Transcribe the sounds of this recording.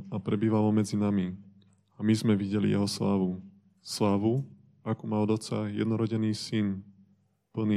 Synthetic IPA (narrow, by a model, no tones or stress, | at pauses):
apɾɛbiːʋalɔmɛd͡zinami | amizmɛʋiɟɛlḭjɛ̰ɦɔslaːʋu | slaːʋu | akumaɔd̪ɔt͡sajɛ̰d̪nɔɾɔɟɛniːsin | pl̩niː